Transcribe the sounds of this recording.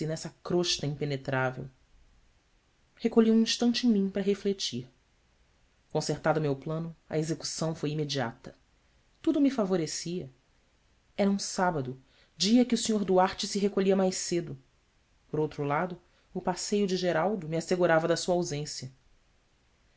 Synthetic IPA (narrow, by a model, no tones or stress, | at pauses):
inɛsɐkɾoʃt̪ɐĩpenet̪ɾavḛw | hekoʎiũĩʃt̪ɐ̃nt͡ʃɪẽj̃mĩpɾɐɦeflet͡ʃiɾ | kõseɾt̪ad̪ʊmewplɐ̃nʊɐ̰ezeku̥sɐ̃w̃fojimed͡ʒia̰t̪ɐ | t̪ud̪ʊmifavoɾesiɐ | ɛɾɐũsabɐd̪ʊ | d͡ʒiɐkɪusĩɲoɾd̪uaɾt͡ʃɪsɪɦekoʎiɐmajsed̪ʊ | poɾowt̪ɾʊlad̪ʊ | ʊpasejʊd͡ʒɪʒeɾawd̪ʊmiaseɡuɾavɐd̪ɐsuɐawzẽsjɐ